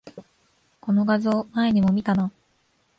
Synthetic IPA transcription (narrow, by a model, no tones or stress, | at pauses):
ko̞no̞ɡazɨomaeɲ̟imo̞mʲit̪ana